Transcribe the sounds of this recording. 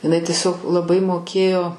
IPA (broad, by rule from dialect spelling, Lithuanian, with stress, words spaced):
ɪˈnɐɪ tʲiɛˈsʲoːk lˠɐˈbɐɪ moːˈkʲeːjoː